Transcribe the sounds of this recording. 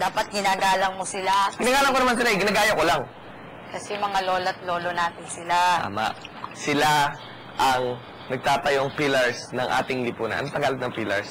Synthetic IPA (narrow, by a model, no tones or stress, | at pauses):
d̪aːpɐt̪̚ɡɪnaːɡaːlɐŋmosɪlaɡɪnaːɡaːlɐŋkoɐmans̬ɪlaʔjɡɪnaɡaːjokolaŋ | kɐsɛmɐŋalo̞ːlɐt̪̚lo̞ːlonaːt̪ɪnsɪlaa̰ma̰ʔsɪla | ʔɐŋ | nɐɡ̚t̪aːt̪ɐjoŋpilɐɹsnɐŋʔa̰ːt̪ɪŋlɪpuːnɐ̰ʔɐ̰not̪ɐɡaːlɪt̪̚nɐŋpilɐ̰ɹs